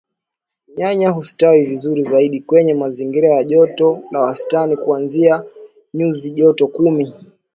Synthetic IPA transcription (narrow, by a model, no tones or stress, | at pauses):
ɲaɲaɦusi̥tawivizuɾizaiɗikwɛɲɛmaziŋɡiɾajaʄɔtɔlawastanikuanzia | ɲuziʄɔtɔkumi